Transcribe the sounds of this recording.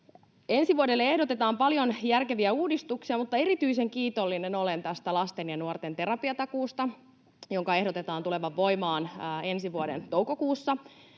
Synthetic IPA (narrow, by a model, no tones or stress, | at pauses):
e̞nsiʋuodelːeehdot̪et̪ɑːmpɑljonjærke̞ʋiæuːdist̪uksiɑmut̪ːɑe̞ɾit̪yise̞ŋkiːt̪o̞lːineno̞lent̪æst̪ælɑst̪enjɑnuort̪e̞nt̪e̞ɾɑpiɑt̪ɑkuːst̪ɑ | joŋkɑe̞ɦdot̪e̞t̪ɑːnt̪ule̞ʋɑʋːo̞jmɑːnːe̞nsiʋuodent̪ouko̞kuːsːɑ